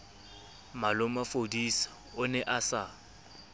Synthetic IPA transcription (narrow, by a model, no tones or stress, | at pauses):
malʊmafodisḁ | ʊnɛʔasa